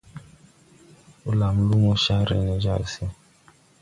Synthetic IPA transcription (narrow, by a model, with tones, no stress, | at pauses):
u˦la˨m̩˨lu˦mɔ˦ʃa˦ɾɛ̰˨nɛ˨d͡ʒa˦˨lsi˨